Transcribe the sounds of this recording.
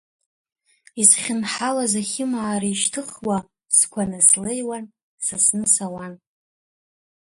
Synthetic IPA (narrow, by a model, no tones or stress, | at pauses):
isχʲɪnħalazaχʲɪmaːɾiʃtʰɨχwa | skʷʰanaslejwan | sasnɨsawan